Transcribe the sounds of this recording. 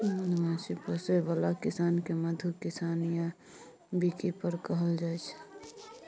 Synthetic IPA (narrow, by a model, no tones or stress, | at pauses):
mənmãsipəsebəlakɪsaːnkeməd̪ʱukɪsaːnja | bʱikipəɾkəɦəld͡ʒaːɛt͡ʃʰ